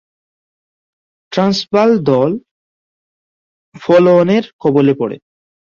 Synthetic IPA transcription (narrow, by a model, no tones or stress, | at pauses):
ʈɾansbald̪ɔl | fɔloneɾkʰɔbolepɔɽḛ